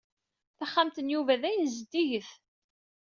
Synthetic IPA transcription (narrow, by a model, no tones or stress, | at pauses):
θaχːamt̪ənjuvæðæjənzəd̪iʝəθ